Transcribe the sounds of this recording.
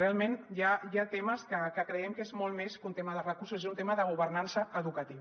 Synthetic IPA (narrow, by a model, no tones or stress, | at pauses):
realˠmenjajat̪eməskəkəkɾəɛmkezmɔlˠmeskunt̪eməðərəkuɾsusezunt̪eməðəɣ̞uβəɾnansəʔəðukət̪iw